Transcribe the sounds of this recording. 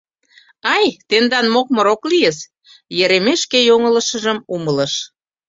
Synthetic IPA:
ɑjt̪end̪ɑnmok̚moɾoklijes | jeɾemeʃkejoŋələ̆ʃəʒəmumələ̆ʃ

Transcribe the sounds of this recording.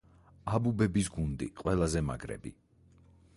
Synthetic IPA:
abubɛbisɡund̪ḭqʼwɛlˠazɛma̰ɡɾɛ̰bḭ

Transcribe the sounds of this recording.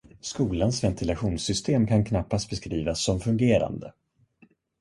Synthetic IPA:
skuːlansvɛnt̪ʰɪlaɧuːnsʏst̪ʰeːmkʰankʰnapːast̪̚bɛskɾiːvasːɔmfɵŋɡeːɾa̰nd̪ə̰

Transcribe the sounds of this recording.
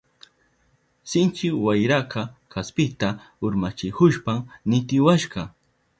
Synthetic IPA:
sɪnt͡ʃɪwajɾakɑkaspɪt̪a | ʊɾmat͡ʃɪkʊʃpamnɪt̪ɪwaʃɢɑ

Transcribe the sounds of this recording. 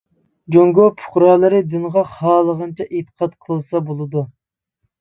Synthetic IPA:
d͡ʒoŋɡopʰʊ̥χɾɑːlˠɨɾɪd̪ynʁɑχɑːlˠəʁənt͡ʃʰɛʔet̪ʰə̥qʰɑt̪qʰəlˠɨsɑbolˠɨd̪u

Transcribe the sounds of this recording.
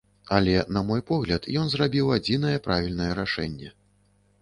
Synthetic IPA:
alʲɛnɐmɔjpɔɣlʲɐt̪jɔnzrabʲiwad͡zʲinɐjɛpɾavʲilʲnɐjɛɾaʂɛ̰nʲːɛ

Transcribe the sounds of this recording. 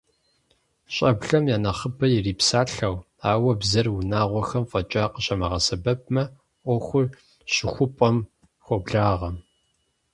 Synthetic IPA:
ɕʼɐbɮɐmjaːnɐχəbɐjɪriːpsaːɬɐw | aːwɐbzɐrwunaːʁʷɔxɐmfʼɐt͡ʃʼaːqəɕʼɐmɐʁɐsɐbɐp̚mɐ | ʔʷɔxʷʊr | ɕɪxʷʊpʼɔm | xʷɔbɮaːʁɐm

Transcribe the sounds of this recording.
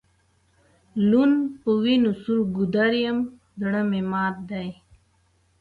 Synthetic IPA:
lunpəwinusuɾɡud̪aɾjɐm | d̪əɽɐmemaːt̪̚d̪aj

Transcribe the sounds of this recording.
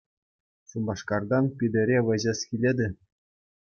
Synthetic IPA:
ɕumbɑʂkɑrd̪ɑnpʲid̪ʲɘ̆ɾʲeʋɤ̆ʑɑskʲilʲed̪ʲɘ̆

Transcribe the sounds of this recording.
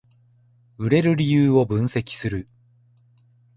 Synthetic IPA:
ɯ̟ɾe̞ɾɯ̟ɾʲijɯːo̞bɯ̟̃ɰ̃se̞kʲi̥sɨɾɯ̟

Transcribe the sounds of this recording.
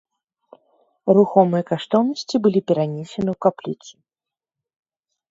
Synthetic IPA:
ɾuxɔmɨjɐkaʂt̪ɔwnɐsʲt͡sʲibɨlʲipʲɛɾanʲesʲɛnɨwkaplʲit̪sʲɨ

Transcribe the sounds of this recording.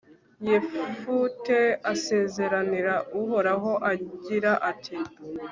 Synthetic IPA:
jefutease̞ːze̞ɾaniɾauɦo̞ɾaɦo̞ʔaɟiɾaʔatʰi

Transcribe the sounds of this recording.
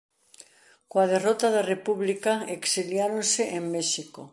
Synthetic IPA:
koaðerot̪aðarepuβlikaeksiljaɾonseʔemmeʃiko

